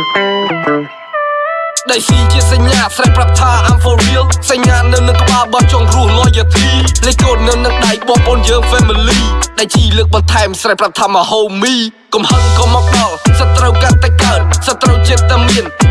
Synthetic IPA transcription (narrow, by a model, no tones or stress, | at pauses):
ɗajsiːt͡ɕiəsaɲːaːsrahprap̚t̪ʰːaːʔamfoːriəsaɲːaːnɨwnɨŋkə̆ɓaːlɓɑt͡ɕoŋrʊ̆əhloːjət̪ʰiːnɨjkoːənɨwnɨŋɗajɓɑːmpoənjəːŋfeːmiliːɗaɛlt͡ɕiːləːk̚ɓɑnt̪ʰaɛmsrahprap̚t̪ʰaːmə̆hoːmiː | kumhəŋkɑːmɔk̚ɗɑlsət̪rəwkant̪aɛkaənsət̪ːrəwt͡ɕiət̪ːaəmiən